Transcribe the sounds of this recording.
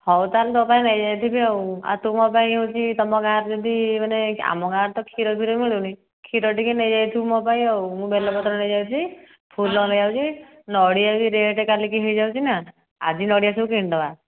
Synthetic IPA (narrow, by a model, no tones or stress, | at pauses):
hɔwt̪alt̪ɔpaĩnajd͡ʒajt̪ʰibiɔwa̰t̪umɔpaĩɦɔwt͡ʃʰit̪ɔmɔkaɾd͡ʒɔd̪imanea̰mɔkaɾt̪ɔkʰiɾɔb̪ʱiɾɔmiɭeni | kʰiɾɔʈikenejd͡ʒajt̪ʰimɔpaĩɔwmũbelɔpɔt̪ɾɔnejd͡ʒajt͡ʃʰi | pʰulːɔnɔd͡ʒawt͡ʃʰi | nɔɽiawiɾeʈekalikiɦejd͡ʒawt͡ʃʰina | a̰d͡ʒinɔɽiasɔkiɳɖɔa